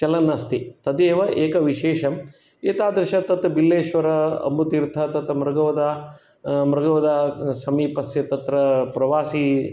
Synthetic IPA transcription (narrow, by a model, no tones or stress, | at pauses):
t͡ʃɐlɐnːɐst̪it̪ɐd̪eːʋɐʔeːkɐʋiʃeːʃɐm | eːt̪aːd̪ɾɐʃɐt̪ɐt̪ɐbilːeːʃʋɐɾɐɐ̰mbut̪iɾt̪ʰɐt̪ɐt̪ɐmɾɐɡɐʋɐd̪ɐ | mɾɐɡɐʋɐd̪ɐsɐmiːpɐsjɐt̪ɐt̪ɾɐpɾɐʋaːsi